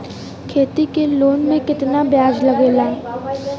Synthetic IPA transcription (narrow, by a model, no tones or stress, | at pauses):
kʰeːt̪ikeloːnmẽkɪt̪nabjaːd͡ʒlɐɡeːlaː